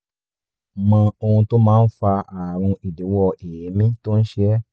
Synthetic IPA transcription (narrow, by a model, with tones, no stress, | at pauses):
mã˧o˧hũ˧to˦mãː˦˧˦n̩˦fa˧a˨ɾ̃ũ˧i˨de˨˦wɔ˧e˨je˨˦mĩ˦to˦n̩˦ʃɛ˦